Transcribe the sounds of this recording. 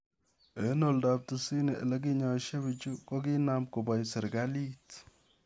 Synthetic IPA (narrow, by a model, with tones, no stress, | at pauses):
e˨˦no˨lda˨p̚tu˨si˦ni˨lɛ˦k̬i˦ɲɔ˨ʃe˦bi˨t͡ʃu˦ko˦ki˦na˨mko˨ba˨jsɛ˨ɾɡa˦li˦t